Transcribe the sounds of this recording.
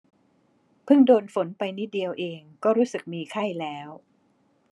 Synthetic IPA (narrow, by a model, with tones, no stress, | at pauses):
pʰɯ˥˩ŋdoː˧nfo˩˦npa˧jni˦˥˩di˧əwʔeː˧ŋkɔː˥˩ɾuː˦˥sɯ˨˩k̚miː˧kʰa˥˩jlɛː˦˥w